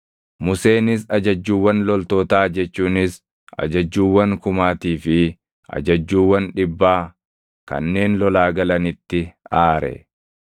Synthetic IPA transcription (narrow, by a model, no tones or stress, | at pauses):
mʊse̞ːnɪs̬ɐd͡ʒɐd͡ʒːuːwːɐnlɔlt̪ɔːt̪aːd͡ʒɛt͡ʃːuːnɪs | ɐ̰d͡ʒɐd͡ʒːuːwːɐŋkʊmaːt̪iːfɪ | ʔɐ̰d͡ʒɐd͡ʒːuːwːɐnᶑɪbːaː | kɐ̰nːe̞ːnlɔlaːɡɐlɐnɪt̪ːɪaːɾɛ̰